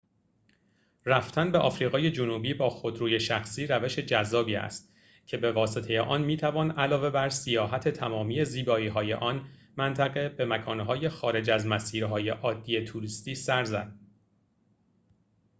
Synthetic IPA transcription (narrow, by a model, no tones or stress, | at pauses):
ræft̪ʰænbe̞ʔɒːfɾiːɣɒːje̞d͡ʒonuːbiːbɒːxo̞d̪ɾuːje̞ʃæxsiːɾæve̞ʃe̞d͡ʒæzːɒːbiːæ̰st̪ | cʰe̞be̞vɒːse̞t̪ʰe̞jeʔɒnmiːt̪ʰævɒːnælɒːve̞bæɾsijɒːɦæt̪ʰe̞t̪ʰæmɒːmiːe̞ziːbɒːiːɦɒːje̞ʔɒn | mænt̪ʰæɣe̞be̞mækʰɒːnɦɒːje̞xɒːɾe̞d͡ʒæzmæsiːɾɦɒːje̞ʔɒːd̪ːije̞t̪ʰuɾist̪iːsæɾzæd̪̥̚